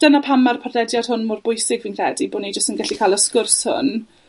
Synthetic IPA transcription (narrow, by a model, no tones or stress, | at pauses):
d̥ənapʰamarpʰardɛdjad̥hʊnmʊrbʊjsɪɡvinkʰr̥ɛdiboːnid͡ʒəstənɡɛɬikʰaːlˠəskʊrshʊ̰n